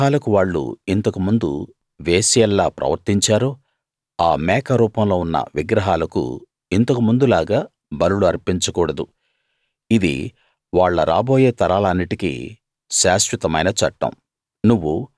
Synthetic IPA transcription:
aːlɐkuʋaːɭːṵint̪ɐkumund̪ṵ | ʋeːsijɛlːaːpɾɐ̰ʋɐɾt̪iɲt͡ʃaːɾuː | aːmɛːkɐɾuːpɐmlo̞ːunːɐ̰ʋiɡɾɐɦaːlɐkṵ | int̪ɐkumund̪ulaːɡaː | bɐnuluɐɾpiɲt͡ʃɐkuːɽɐd̪u | id̪ḭ | ʋaːɭːɐɾa̰ːbo̞ːjeːt̪ɐɾaːlɐɐnːiʈikḭ | ʃaːʃʋit̪ɐmɐjnɐt͡ʃɐʈːɐ̰m | nuʋːu

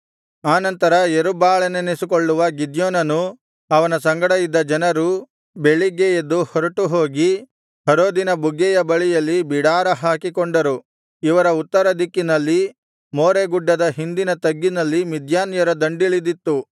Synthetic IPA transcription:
aːnɐnt̪ɐɾɐjeɾubaːɭɐnenesikoɭːuʋɐɡid̪joːnɐnu | ɐʋɐnɐsɐŋɡɐɽɐjid̪ːɐd͡ʒɐnɐɾu | beɭiɡejed̪ːuhɐɾuʈuɦoːɡi | hɐɾoːd̪inɐbuɡːɛjɐbɐɭijɐlːibiɽaːɾɐɦaːkikoɳɖɐɾu | iʋɐɾɐut̪ːɐɾɐd̪ikːinɐlːi | moːɾeɡuɖːɐd̪ɐɦind̪inɐt̪ɐɡːinɐlːimid̪ʱjaːnjɐɾɐd̪ɐɳɖiɭid̪it̪ːu

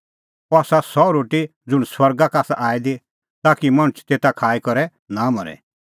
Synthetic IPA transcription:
ɔaːsasɔɾoːʈid͡zʊɽ̃swɐɾɡakaːsaʔaːid̪i | t̪aːkimɐɽ̃ʊt͡ʃt̪eːt̪akʰaːikɔɾɛ | namɔɾɛ̰

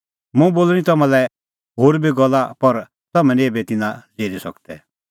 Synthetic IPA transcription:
mũboːlɾĩt̪ɐmãlɛ | ɦoːɾbʱiɡɔlːapɐɾ | t̪ɐmɛ̃nĩeːbet̪ɪnãd͡zeːɾisɔ̰kt̪ɛ̰

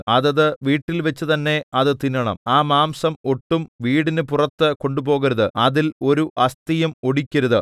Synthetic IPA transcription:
ɐðɐðɨʋiːʈːilʋet͡ɕːɨt̪ɐnːe̞ɐðɨt̪inɐɳɐ̰maːmaːmsɐmoʈːumʋiːɽinɨpurɐt̪ːɨko̞ɳɖupo̞ːɣɐɾɐðɨɐðilo̞ɾuʔɐst̪ijɐmo̞ɽikʲːɐɾuðɨ

